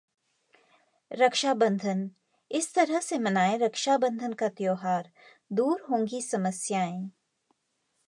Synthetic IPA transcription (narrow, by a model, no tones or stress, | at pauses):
ɾəkʃabə̃nd̪ʱən | ɪst̪ɐɾəɦsemɐnaːeɾɐkʃabə̃nd̪ʱənkat̪joːɦaːɾ | d̪uːɾɦõːŋɡisɐməsjaːẽː